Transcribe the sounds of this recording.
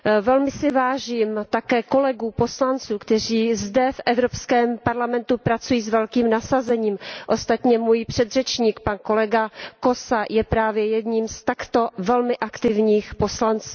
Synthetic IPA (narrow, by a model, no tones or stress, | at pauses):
vɛlmɪsɪvaːʒiːmt̪akɛːko̞lɛɡuːpo̞slant͡suːkt̪ɛr̝iːzdɛfʔɛvɾo̞pskɛːmpaɾlamɛnt̪upɾat͡sujiːsvɛlkiːmnasazɛɲiːmʔost̪at̪ɲɛmujpr̝̥ɛd̪rɛt͡ʃɲiːkpanko̞lɛɡako̞sajɛpɾaːvjɛjɛd̪ɲiːmst̪akt̪o̞vɛlmɪʔakt̪ɪvɲiːxpo̞slant͡suː